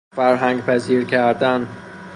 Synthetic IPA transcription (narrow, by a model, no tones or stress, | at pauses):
fæɾɦæŋɡpʰæziːɾkʰæɾd̪æn